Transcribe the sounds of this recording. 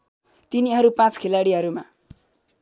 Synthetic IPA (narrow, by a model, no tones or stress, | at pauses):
t̪iniɦʌɾupãt͡skʰelaɽiɦʌɾuma